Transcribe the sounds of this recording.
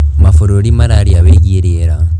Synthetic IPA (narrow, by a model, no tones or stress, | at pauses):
mafoɾoɾimaɾaɾiaβeɣiɾeɾa